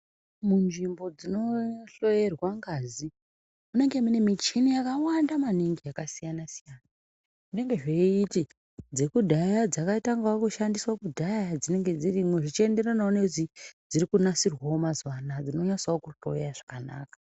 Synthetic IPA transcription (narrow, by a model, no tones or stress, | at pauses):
munʐimbo̞d͡zino̞ɬo̞je̞rwaŋɡazi | mune̞ŋɡe̞munemit͡ʃinijakawandamaniŋɡiakasijanasijaːna | ʐ̥ine̞ŋɡe̞ʐeiti | d͡ze̞kudʱajad͡zakaitaŋɡawokuʃandiswakudʱajad͡zine̞ŋɡe̞d͡zirimweʐit͡ʃie̞nde̞ranaune̞zid͡ziɾikunasirwaomazwanad͡zino̞ɲasaokuɬo̞̰jaʐ̥akana̰ːkḁ